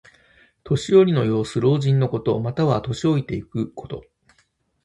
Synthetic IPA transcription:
t̪o̞ɕijo̞ɾʲino̞jo̞ːsɨɾo̞ːʑĩnːo̞ko̞t̪o̞mat̪aβ̞at̪o̞ɕio̞it̪e̞ikɯ̟kʰo̞t̪o̞̰

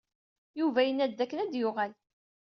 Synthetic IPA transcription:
juvæjənːæd̪ːækːənæd̪jʊʁæl

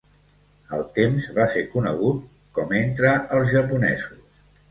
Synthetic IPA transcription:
əlˠt̪emzβaseɾkunə̰ɣ̞ut̪̚ | kɔment̪ɾəəlˠzʒəpunɛ̰zus

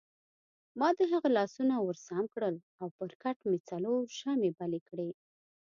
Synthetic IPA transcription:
mɑd̪əɦaɣalɑsunawəɾsamkɽəl | awpəɾkaʈmet͡saloɾʃamebalekɽe

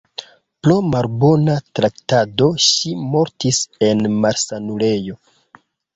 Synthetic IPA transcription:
plomalbonatɾaktado̞ʃimo̞ɾtise̞nmaɾsanule̞jo̞

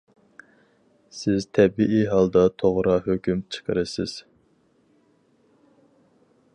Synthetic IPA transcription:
sɪzt̪ʰɛbiʔiɦɑlˠd̪ɑt̪ʰoʁɾɑɦøkʲymt͡ʃʰə̥qʰəɾɨsɪ̰z̥

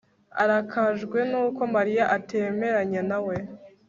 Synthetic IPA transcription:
a̰ɾakʰaʒɡwe̞nuːko̞maɾijaʔatʰe̞me̞ɾaɲenawe̞

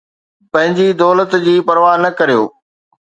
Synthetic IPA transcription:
pɐ̃ɦɪ̃ɲd͡ʑid̪ɔːlət̪d͡ʑiːpɐɾʋaːnɐkɐɾijo̰ː

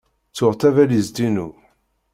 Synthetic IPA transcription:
t͡sːʊʁt̪ævælizd̪inu

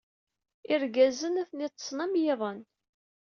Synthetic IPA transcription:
ɪɾɡæzənæθnit̪ˤːə̥sˤnæmjɪðˤən

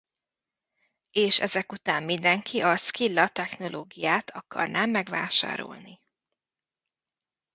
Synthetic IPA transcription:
eːʃɛ̰zɛkut̪aːmmind̪ɛŋkʰiʔɒskilːɒt̪ɛxno̞lʔoːɡijaːt̪ʰɒkɒ̰rnʔaːmːɛɡʋa̰ːʃa̰ːɾo̰lni

